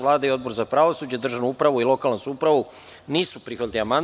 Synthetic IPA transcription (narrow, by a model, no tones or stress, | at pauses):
ʋlˠaːd̪aio̞d̪̚bo̞ɾzapɾaʋosuːd͡ʑed̪r̩ʒavnoupɾaʋuilˠo̞kalnosuupɾaʋu | niːsupɾixʋat̪ʲliaman